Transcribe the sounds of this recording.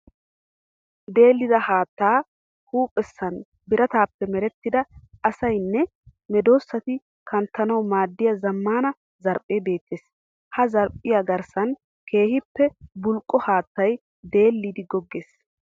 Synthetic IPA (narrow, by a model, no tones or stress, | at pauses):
d̪e̞ːlːɪd̪ɐhaːt̪ːaː | huːpʼɛsːɐn | bɪɾʔɐt̪aːpːɛmɛɾɛt̪ːɪd̪ɐɐsɐjnːɛ | mɛd̪o̞ːsːɐt̪ɪ | kɐnt̪ːɐnɐwmaːd̪ːɪjɐzɐmːaːnɐ | zɐɾpʼːeːbe̞ːt̪ːeːs | hɐzɐɾpʼɪjaɡɐɾsɐn | ke̞ːhɪpːɛbʊlkʼːɔhaːt̪ːɐj | d̪e̞ːlːid̪ɪɡɔɡːeːs